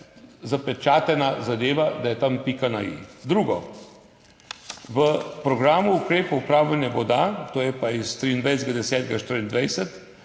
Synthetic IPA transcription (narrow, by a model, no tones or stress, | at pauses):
zapɛt͡ʃaːt̪ɛnazad̪eːʋad̪ajɛt̪ampikanaḭd̪ɾuːɡɔ | ʋəpɾɔɡɾaːmuːkɾeːpɐupɾaːwlanjabɔd̪at̪oːjɛpaist̪ɾiːnd̪ʋɛjsd̪ɡad̪ɛsɛːt̪ɡaʃt̪əɾind̪ʋɛjsɛt̪